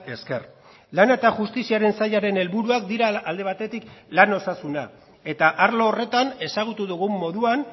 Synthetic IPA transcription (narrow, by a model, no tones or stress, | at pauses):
e̞ske̞ɾ | lanet̪aʝust̪isiaɾe̞nsajaɾe̞ne̞lβuɾuakd̪iɾaːld̪e̞β̞at̪e̞t̪iklano̞sasuna | e̞t̪aʔaɾlo̞ːre̞t̪ane̞saɣ̞ut̪uðuɣ̞umːo̞ðuan